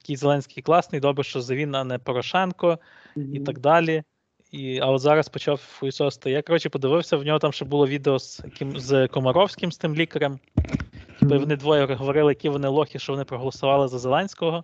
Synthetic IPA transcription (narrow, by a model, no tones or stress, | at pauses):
jɐkʲijzelˠɛnʲsʲkɪijklˠɑsnɪjd̪ɔbɾɪʃt͡ʃɔzɐʋʲinɐnɛpɔɾɔʃɛnkɔ | it̪ɑɡ̚d̪ɑlʲi | iɐɔt̪zɑɾɐspɔt͡ʃɑwfɔjisɔst̪ɔjakɐɾɔt͡ʃɪpɔd̪ɪʋɪwsʲɐwnʲɔɦɔt̪ɑmʃt͡ʃɔbʊlˠɔʋʲid̪eɔzɐkɪmzkɔmɔɾɔwsʲkɪmst̪ɪmlʲikɐɾɐm | tʲipɐiʋɔnɪd̪ʋɔjɛɾɔzɦɔʋɔɾɪlˠɪjɐkʲiʋɔnɪlˠɔxʲiʃt͡ʃɔʋɔnɪpɾɔɦɔlˠɔsʊʋɑlˠɪzɐzelˠɛnʲsʲkɔɦɔ